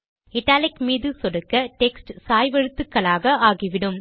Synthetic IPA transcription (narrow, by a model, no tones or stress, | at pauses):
ɪʈːaːlɪkmiːðɯsɔɽɯkːɐʈɛksʈsaːjʋɐɻɯt̪ːɯkːɐɭaːɣɐaːɣiʋɪɽɯm